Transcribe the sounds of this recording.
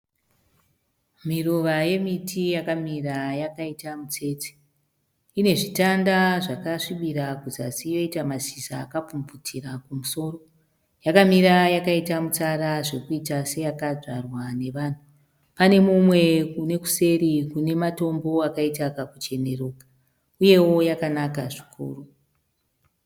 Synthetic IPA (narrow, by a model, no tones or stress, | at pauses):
miroʋaje̞mitʰijakamirajakaitamut͡se̞ːt͡se̥ | ine̞ʐitandaʐakaʂiɓiɾakuzasijo̞itamazisaːkapumb͡vutʰirakumuso̞ːro̞ | jakamiɾajakaitamut͡saɾaʐe̞kuitase̞jakaʐarwane̞ʋan̤u | pane̞mumwe̞kune̞ku̥se̞ɾikune̞mato̞mbo̞akaitakakut͡ʃe̞ne̞roːka | uje̞wo̞jakanakaʐi̥kʰṵːro